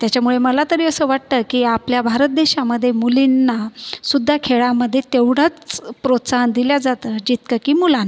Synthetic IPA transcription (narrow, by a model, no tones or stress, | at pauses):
t̪jat͡ɕamuɭeməlat̪əɾiːəsəːʋaʈt̪əkiːapljabʱaɾət̪̚d̪eɕaməd̪ʱːjemulinːasud̪ʱːakʰeɭaməd̪ʱːjet̪eʋɽ̤at͡spɾot̪saɦənd̪iljad͡zat̪əd͡ʑit̪kəkiːmulan